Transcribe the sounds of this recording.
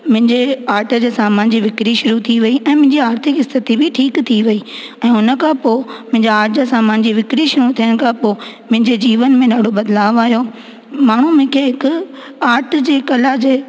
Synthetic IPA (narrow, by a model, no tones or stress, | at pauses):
mʊ̃ɦɪ̃ɲd͡ʑeaːɾʈʰə̆d͡ʑeːsaːmãːnd͡ʑiʋɪkɾiʃʊɾut̪ʰiʋɐiʔɛ̃ːmʊ̃ɦɪ̃ɲd͡ʑiaːɾt̪ʰɪkɪst̪ʰət̪ibʱɪʈʰiːkt̪ʰiʋɐiː | ɛ̃ːʊnə̆kʰãpoːmʊ̃ɦɪ̃ɲd͡ʑaaːɾʈʰd͡ʑasãːmãːɲd͡ʑiʋɪkɾiʃʊɾut̪ʰijəɽ̃̆kʰãpoːmʊ̃ɦɪ̃ɲd͡ʑed͡ʑiːʋənmẽnaːɽ̤obɐd̪laːʋaːɦjo | maːɳ̤umẽkʰeɦɪkʊ | aːɾʈ̆ʰd͡ʑeːkɐlad͡ʑeː